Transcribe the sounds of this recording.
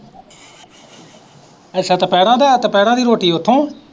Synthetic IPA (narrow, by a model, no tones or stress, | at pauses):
ɛːsaːt̪əpɛːɽãːd̪aːt̪əpɛːɽãːd̪iːɾoːʈiːʊt̪ʰːõː